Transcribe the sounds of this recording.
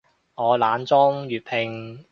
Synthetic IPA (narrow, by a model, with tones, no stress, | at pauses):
ŋɔː˨˧laː˨˧nt͡sɔː˥ŋjyː˨˩t̚pʰɪ˧ŋ